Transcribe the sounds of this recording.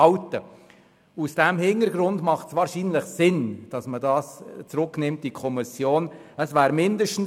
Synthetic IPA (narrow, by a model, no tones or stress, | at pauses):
ɑʊtə | usd̥ɛmhɪnəɾɡɾʊndmɑχtsvʋɑːɾʃiːnlɪχsɪnd̥ɑsmədɑːst͡sɾʊknɪmtːikʰɔmɪsjoːn | əsvæːɾmɪndəʃtn̩